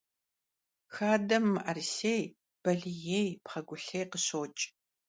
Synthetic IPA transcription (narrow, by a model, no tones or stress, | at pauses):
xaːdɐmːɨʔɐrsej | b̥ɐɮijejpχɐɡʷʊɬejqəɕoːt͡ʃʼ